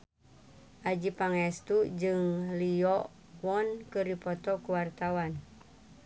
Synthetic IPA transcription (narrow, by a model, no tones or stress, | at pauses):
ʔad͡ʒipaŋɛst̪ud͡ʒɨŋliɔ | wɔnkɨripɔt̪ɔkuwart̪awan